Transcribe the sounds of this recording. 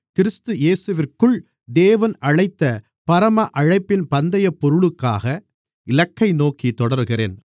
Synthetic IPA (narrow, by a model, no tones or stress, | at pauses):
kɪɾɯst̪ɯeːsɯʋɪrkɯɭ | d̪eːʋɐnʔɐɻɐɪt̪ːɐ | pɐɾɐmɐʔɐɻɐɪpːɪnpɐnd̪ɐjɐpːɔɾɯɭɯkːaːɣɐ | ɪlɐkːɐɪnoːkit̪ɔɽɐɾɣɪrḛːn